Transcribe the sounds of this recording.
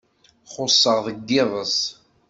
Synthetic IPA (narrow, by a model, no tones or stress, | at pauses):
χʊsˤːəʁðəɡːɪðˤəs